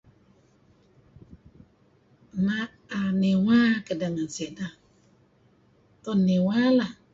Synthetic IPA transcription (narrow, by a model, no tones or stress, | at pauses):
na | anɪwakɪdanan̩seda | tɔnɪwala